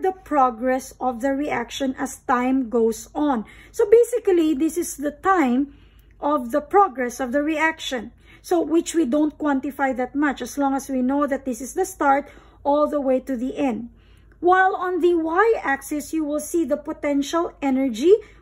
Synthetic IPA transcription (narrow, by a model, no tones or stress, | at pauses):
d̪əpɹɔɡɹɛsɔvðɐɹiʔakʃɔ̃nɐst̪ãɪ̃mɡoʊsɔ̃nsobeɪsɪkliðɪsɪsðɐt̪ãɪ̃m | ʔɔvðəpɹɔɡɹɛsɔvðɐɹiakʃɔ̃n | sowɪt͡ʃwid̪õʊ̃nt̪̚kwãnt̪ɪfajðat̪̚mʌt͡ʃɐslɔ̃ŋɐswinoʊðɐt̪̚d̪ɪsɪsðɐst̪ɑɹt̪ | ʔɔlˠðəweɪt̪uðiʔɛ̃nd̪̚ | waɪlɔ̃nðəwajʔæksɪsjuwɪlsiðɐpɔt̪ɛ̃nʃalɛnɛɹd͡ʒi